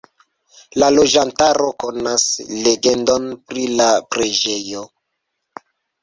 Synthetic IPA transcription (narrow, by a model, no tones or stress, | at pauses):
lalo̞d͡ʒantaɾo̞ko̞nasle̞ɡendo̞npɾilapɾe̞d͡ʒe̞jo